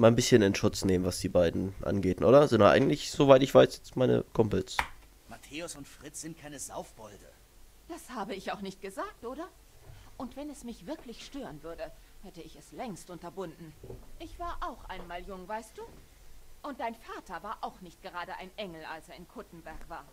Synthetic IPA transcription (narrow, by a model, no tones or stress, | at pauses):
maːnbɪsçənɪnʃʊt͡sneːmənvasd̥iːbaɪdn̩ʔa̰nɡeːtʔo̰ːɾɐzɪnʔa̰ɡŋ̩tlɪçz̥ovaɪtɪçv̥aɪsjɛt͡stmaɪnə̰kʰɔmpls | matʰeːʊsʊntfʁ̥ɪt͡sz̥ɪnt̚kʰaɪnəza̰ʊfb̥ɔldə̰ | d̥ashaːbəɪçaʊxnɪçt̚ɡ̥əzaːk̚tʔoːɾɐ | ʔʊntv̥ɛnɛsmɪçv̥ɪɐklɪçʃtøːʁənvʏɐdəhɛtəɪçɛslɛŋstʔʊntɐbʊndn̩ʔɪçv̥aːɐʔaʊxʔaɪnmaːljʊŋvaɪst̚d̥uː | ʔʊnt̚d̥aɪnfaːtɐvaːɐʔaʊxnɪçt̚ɡ̥əʁaːɾəʔa̰ɪnʔɛŋl̩ʔalseːɐɪnkʰʊtn̩bɛɐkv̥aːɐ